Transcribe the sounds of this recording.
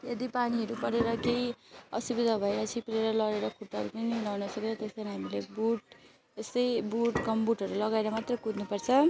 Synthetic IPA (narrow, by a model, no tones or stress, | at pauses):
jed̪ipaniɦʌɾupʌɾeɾʌkejʌ̰subid̪ʱabʱʌjɾʌt͡sʰipleɾʌlʌɽeɾʌkʰuʈːʌɦʌɾupʌniiunawnʌsʌket͡sʰʌt̪est̪aniɦamilebuʈ | est̪ʌjbuʈkʌmbuʈʌɾulʌɡaeɾʌmat̪rʌkud̪nupʌrt͡sʰʌ